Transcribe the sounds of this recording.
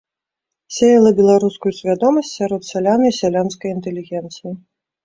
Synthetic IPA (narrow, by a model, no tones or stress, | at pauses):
sʲejɐlˠɐbʲɛlˠaɾuskujusʲvʲad̪ɔmɐsʲt͡sʲsʲaɾɔt̪sʲalʲanɨisʲalʲanskɐjint̪ɛlʲiɣʲɛnt̪sɨji